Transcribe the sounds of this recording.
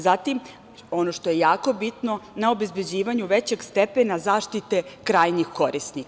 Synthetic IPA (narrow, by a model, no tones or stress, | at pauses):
zat̪im | o̞no̞ʃt̪o̞je̞jaːko̞bit̪no̞nao̞be̞zbed͡ʑiːʋaɲuʋet͡ɕe̞ɡst̪epenazaːʃt̪it̪e̞kɾaːjnixko̞ɾisnik